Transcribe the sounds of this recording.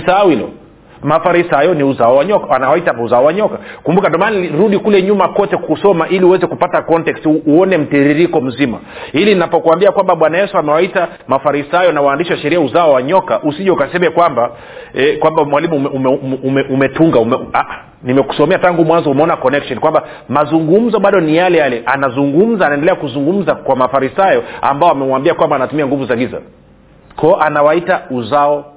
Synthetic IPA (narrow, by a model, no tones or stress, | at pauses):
sawilɔ̰ | mafaɾisajɔniuzaɔwaɲɔkaanawaitauzaɔwaɲɔkakumbukandɔmanɾuɗikulɛɲumakɔtɛkusɔmaʔiliuwɛzɛkupatakɔntɛkstːɔnɛm̩tɛɾiɾikɔm̩zima̰ | ilinapɔkwambiakwambaɓwanajɛsuamɛwaita | mafaɾisajɔnawaːndiʃiwaʃɛɾiauzaɔwaɲɔkaʔusiʄaukasɛmɛkwamba | ɛkwambamwalimumɛumumɛʔumɛtuŋɡaumɛaʔa | nimɛku̥sɔmɛataŋɡumwanzɔumɛɔnakɔnɛkʃɔnikwamba | mazuŋɡum̩zɔɓaɗɔnijalɛjalɛʔanazuŋɡum̩zaːnaɛndɛlɛakuzuŋɡum̩zakwamafaɾisajɔa̰mbaɔamɛwaːmbiakwambaːnatumiaŋɡuvuzaɡiza̰ | kʰɔːʔanawaitauzaɔ